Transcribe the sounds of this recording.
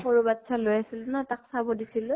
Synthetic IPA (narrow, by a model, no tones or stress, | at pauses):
xoɹubatsalojasilnɔtaksabɔdisilʊ